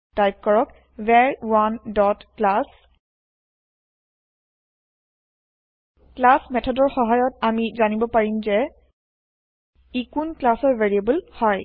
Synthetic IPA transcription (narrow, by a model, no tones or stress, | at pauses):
d̥ajp̚kɔɹɔk | vɛɹwandɔtklas | klasmɛtʰɔdɔɹxɔɦajɔtamizanibɔpaɹimzɛ | ikunklasɔɹveɹiabulhɔj